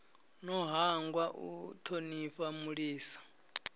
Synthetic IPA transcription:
nɔɦaŋɡwaʔṵtʰoniɸamuɺiːsḁ

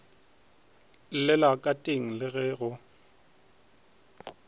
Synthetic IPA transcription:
lɪlakʼatʼeŋ̩lɪɣɛɣʊ

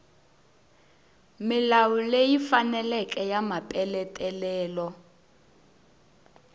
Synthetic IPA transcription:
milawulejifanɛlɛk̬ʼɛjamapʼɛlɛtʼɛlɛːlɔ

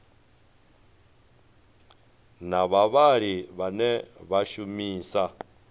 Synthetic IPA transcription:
naβaβaɺiβanɛβaʃumiːsa

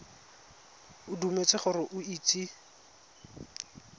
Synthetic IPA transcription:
ʊdumet͡sʼɪχʊrɪʔʊiːt͡sʼi

